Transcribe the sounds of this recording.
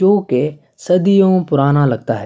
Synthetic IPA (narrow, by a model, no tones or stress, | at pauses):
oːke | sɐd̪ijõpʊɾaːnalɐɡ̚t̪aɦɛ